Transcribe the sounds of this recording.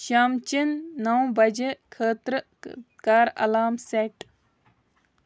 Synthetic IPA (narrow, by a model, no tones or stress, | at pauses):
ʃaːmt͡ʃinːɐwbɐd͡ʒekʰəːt̪ɾə | kaːɾɐ̰laːmseʈ